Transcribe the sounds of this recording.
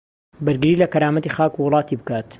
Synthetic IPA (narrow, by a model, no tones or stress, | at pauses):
bɐɾɡɨɾiːlɐkɐɾaːmɐt̪ixaːkuwʊlˠɑːt̪iːbɨkaːt̪